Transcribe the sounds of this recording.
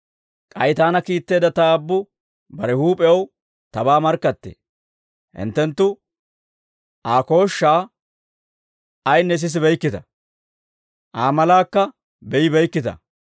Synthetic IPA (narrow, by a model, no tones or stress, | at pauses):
kʼɐjt̪aːnɐkiːt̪ːe̞ːd̪ɐt̪ɐːbːʊ | bɐɾɛhuːpʼɛɐw | t̪ɐbaːmɐɾkːɐt̪ːḛː | hɪ̰nt̪ːɛnt̪ːʊ | ʔaːko̞ːʃːaː | ɐjnːɛs̬ɪs̬ɪbɛjkːɪt̪ɐ | ʔaːmɐlaːkːɐ | bɛjɪbɛjkːɪt̪ɐ̰